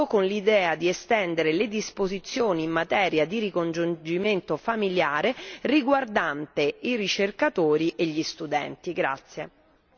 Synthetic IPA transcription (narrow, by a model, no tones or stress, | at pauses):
okonlid̪ɛːad̪iest̪ɛnd̪eɾeled̪ispozit̪sːjoːniːmːat̪ɛːɾjad̪iɾikond͡ʒund͡ʒiment̪ofamiljaːɾeriɡward̪ant̪eirit͡ʃerkat̪oːɾiʔeʎːist̪ud̪ɛ̰nt̪iɡɾa̰t̪sːje